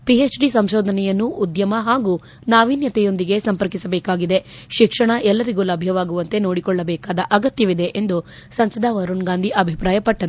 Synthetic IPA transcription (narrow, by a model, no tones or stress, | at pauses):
pieːt͡ʃɖisɐmʃɔːd̪ʱɐnɛjɐnːuʔud̪jɐmɐɦaːɡu | naːʋiːnjɐt̪ɛjond̪iɡe̞sɐmpɐɾkisɐbɛːkaːɡid̪e̞ | ʃikʂɐɳɐʔɛlːɐɾiɡuːlɐbʱjɐʋaːɡuʋɐnt̪e̞no̞ːɽikɔɭːɐbɛːkaːd̪ɐʔɐɡɐt̪jɐʋid̪e̞ʔend̪u | sɐnsɐd̪ʱaːʋɐɾuɳɡaːnd̪ʱiʔɐbʱipɾaːjɐpɐʈːɐɾu